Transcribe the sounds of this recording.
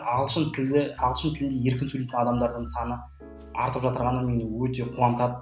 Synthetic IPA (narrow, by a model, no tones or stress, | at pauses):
ɑlˠʃənt̪ʰd̪ɪɑlˠʃənt̪ʰɪlɪnd̪eje̞ɾkʲɪnsɵlejt̪ɪnɑd̪ɑmd̪ɑɾd̪əɴsɑnə | ɑ̰ɾt̪əpʒɑt̪əɾʁɑnəmenwɵt̪e̞qʰuɑnt̪ɑd̪ə